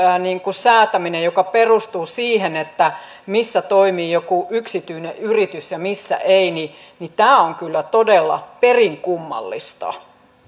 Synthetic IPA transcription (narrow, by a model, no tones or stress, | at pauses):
niːŋkusæːt̪æminejokɑperust̪uːsiːhenet̪ːæ | misːæt̪oimiːjokuʔyksit̪yineʔyrit̪ysjɑmisːæ̰ʔeini | nit̪æːoŋkylːæt̪odelːɑ̰periŋkumːɑ̰lːḭst̪ɑ̰